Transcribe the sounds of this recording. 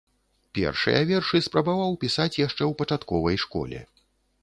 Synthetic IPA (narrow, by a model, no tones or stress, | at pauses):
pʲɛ̰rʂɨ̰jɐvʲɛrʂɨspɾɐbavawpʲisat͡sʲjaʂt͡ʂɛwpɐt͡ʂat̪kɔvɐjʂkɔ̰lʲɛ̰